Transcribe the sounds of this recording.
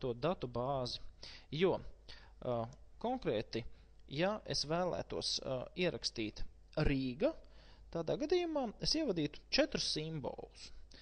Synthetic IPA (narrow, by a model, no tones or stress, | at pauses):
t̪uɔt̪̚d̪at̪ubɑːzijuɔ | kɔŋkɾɛːt̪i | jaʔḛsvæːlˠæ̰ːt̪uɔsiɛɾʔa̰kst̪iːt̪ | ɾiːɡa | t̪aːd̪aːɡad̪iːjumaːesiɛvad̪iːt̪u̥t͡ʃɛt̪ɾu̥sːimbo̰ːlˠus